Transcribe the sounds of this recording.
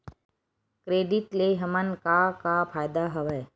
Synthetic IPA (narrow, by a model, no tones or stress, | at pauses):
kɾeːɖɪʈleɦɐmənkakapʰaːjd̪aɦɐʋeː